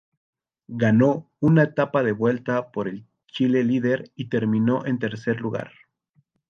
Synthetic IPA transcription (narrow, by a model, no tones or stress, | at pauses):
ɡano̞ | unaet̪apaðe̞βwe̞lt̪apo̞ɾe̞l | t͡ʃile̞liðe̞ɾit̪e̞ɾmĩno̞ʔe̞nt̪e̞ɾse̞ɾluɣa̰ɾ